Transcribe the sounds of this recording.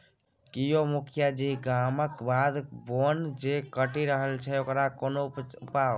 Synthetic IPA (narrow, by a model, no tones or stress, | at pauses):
kijomukʰjad͡ʒiɡaməkbad̪bond͡ʒekəʈiɾəɦəlt͡ʃʰɛokɾakonoupao